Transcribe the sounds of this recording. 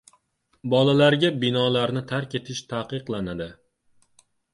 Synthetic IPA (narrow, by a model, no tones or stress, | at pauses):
bɒlalaɾɡʲabɪnɒlaɾnɪt̪ʰaɾkʲe̞t̪ʰɪʃt̪ʰaqɨqlˠanad̪ɪ